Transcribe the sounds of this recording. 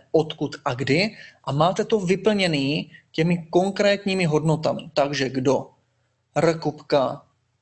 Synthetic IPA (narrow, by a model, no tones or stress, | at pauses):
ʔot̪kut̪ʔaɡdɪʔamaːt̪ɛt̪o̞vɪpl̩ɲɛniːcɛmɪko̞ŋkɾɛːt̪ɲiːmɪɦo̞dno̞t̪amɪ̰t̪aɡʒɛɡdo̞ | rəkupka